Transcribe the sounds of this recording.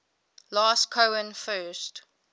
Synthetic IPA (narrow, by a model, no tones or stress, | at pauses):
lɑːskʰoʊə̃nfɜːˑst